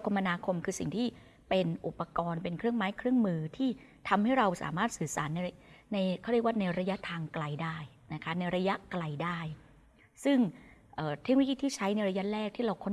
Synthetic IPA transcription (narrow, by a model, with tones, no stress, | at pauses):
kʰo˧mːa˧naː˧kʰo˧mkʰɯː˧si˨˩ŋt̪ʰiː˥˩ | pe˧nʔu˨˩pːa˧kɔː˧npe˧nkʰɾɯ˥˩əŋmaː˦˥jkʰɾɯ˥˩ŋmɯː˧t̪ʰiː˥˩ | t̪ʰa˧mha˥˩jɾa˧wsa̰ː˩˦maː˥˩t̪̚sɯː˨˩sa̰ː˩˦nːa˧na˧jkʰːɾkwːna˧jɾa˧ja˦˥ʔt̪ʰaː˧ŋkla˧jdaː˥˩j | na˦˥kʰa˦˥na˧jɾa˧ja˦˥ʔkla˧jdaː˥˩j | sɯ˥˩ŋʔəː˨˩t̪ʰe˦˥k̚no˧˥˦kiː˥˩t̪ʰiː˥˩t͡ɕʰa˦˥jna˧jɾa˧ja˦˥lɛː˥˩k̚t̪ʰiː˥˩ɾa˧wkʰo˥˩n